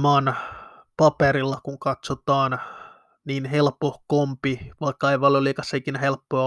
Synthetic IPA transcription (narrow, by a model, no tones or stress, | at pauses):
ɑːn | pɑpeɾilːɑkuŋkɑt̪sot̪ɑːn | niːnhelpohkompiʋɑikːɑɑiʋɑlolikɑsːɑikinæhelpːoɑ